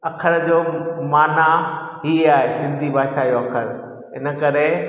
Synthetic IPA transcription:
ɐkʰəɾd͡ʑoːmaːnaɦiaːɦesɪ̃nd̪ʱibʱaːʃaːjoɐkʰəɾ | ɦɪnə̆kɐɾe

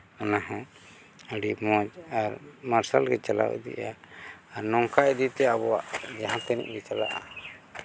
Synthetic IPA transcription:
anaɦã | əɽimɔd͡ʒaɾmaɾsalɡɛt͡ʃala̰wɛ̰d̪ḭʔaːɾnɔŋkaɛd̪it̪ɛabɔwaʔd͡ʒaɦãt̪ɛnḭʔɡɛt͡ʃalaʔa̰

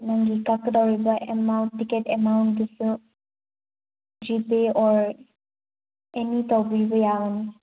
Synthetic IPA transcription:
naŋɡikakdaɹibaʔɛmawntːikɛtɛmawnt̚ɡisu | d͡ʒipeɔɹ | ɛnitɔbibɔjaɔn

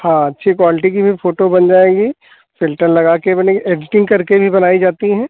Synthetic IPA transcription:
hãːɐtːʃʰikwaːlɪʈik̬ibʱifoːʈobɐnd͡ʒaːeːɡiː | fɪlʈəɾlɐɡaːkebɐneeːɖɪʈɪ̃ŋɡkɐɾkebʱibɐnaːid͡ʒaːt̪iɦɛ̃ː

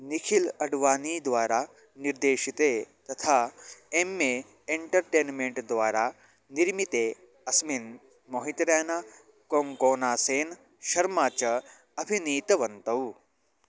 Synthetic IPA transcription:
nikʰilɐɖʋaːniːd̪ʋaːɾa | niɾd̪eːʃit̪et̪ɐt̪ʰaːemːe | eɳʈɐɾʈeːnmeɳʈd̪ʋaːɾaː | niɾmit̪eː | ɐsmin | moɦit̪ɾeːna | koːŋkoːnaːseːn | ʃɐɾmaːt͡ʃɐ | ɐbʱiniːt̪ɐʋɐnt̪ɐw

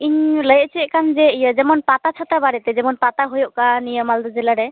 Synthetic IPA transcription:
iɲləjt͡ʃʰiɛkand͡ʒɛijəd͡ʒɛmɔnpat̪at͡ʃʰat̪abaɾit̪ɛd͡ʒɛmɔnpat̪aɦojoʔkanijəmald̪ɔd͡ʒɛlaɾɛ

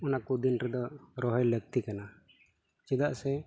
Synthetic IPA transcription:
ɔnakud̪inɾɛd̪ɔɾɔɦɔjləɡ̚t̪ikana | t͡ʃid̪aʔsɛ

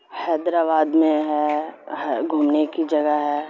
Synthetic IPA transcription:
hɛːd̪ɾaːbaːd̪mẽɦɛ | ɡʱuːmnekid͡ʒɐɡəɦɛː

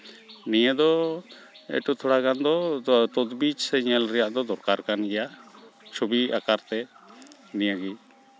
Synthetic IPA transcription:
nijəd̪ɔ | ɛ̰ʈut̪ʰɔɽaɡand̪ɔt̪ɔt̪bit͡ʃsɛɲɛlɾɛjaʔd̪ɔd̪ɔɾkaɾkanɡɛjat͡ʃʰubiakaɾt̪ɛ | nijəɡi

